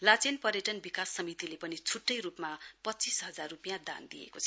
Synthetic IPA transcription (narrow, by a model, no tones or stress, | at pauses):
lat͡senpʌɾjeʈʌnbikasːʌmit̪ilepʌnit͡sʰuʈːʌjrupmapʌt͡sisɦʌd͡zarrupijad̪a̰nd̪ijḛkot͡sʰ